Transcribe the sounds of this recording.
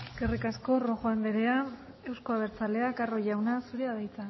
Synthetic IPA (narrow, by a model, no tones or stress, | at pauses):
ɡerikasko̞ro̞xoand̪eɾe̞a | e̞wsko̞aβ̞e̞ɾt͡sale̞akaro̞ʝawnasuɾeaðajt͡sa